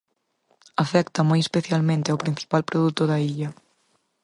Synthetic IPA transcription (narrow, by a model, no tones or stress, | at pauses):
afɛkt̪ɐmojespeθjalmẽnt̪ɪawpɾĩn̟θi̥palpɾoðut̪oðɐiʎɐ